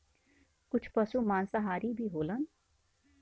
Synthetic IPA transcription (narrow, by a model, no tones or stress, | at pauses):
kʊt͡ʃʰpɐsumãːnsaɦaːɾibʱiːɦoːlən